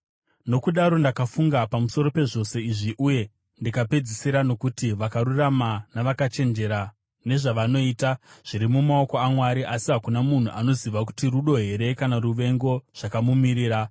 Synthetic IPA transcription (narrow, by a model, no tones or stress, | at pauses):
no̞kuɗaɾo̞ndakafuŋɡapamuso̞ɾo̞pe̞ʐo̞se̞iʐiʔuje̞ | ndikape̞d͡zisiɾano̞kutiʋakaɾuramanaʋakat͡ʃe̞nd͡ʒe̞ɾa | ne̞ʐaʋano̞iːtaʐ̥iɾimumao̞ko̞amwaɾiʔasiɦakunamun̤uʔano̞ziʋaku̥tiruɗo̞ɦe̞ɾe̞kanaruʋe̞ŋɡo̞ʐ̥akamumiɾiːɾa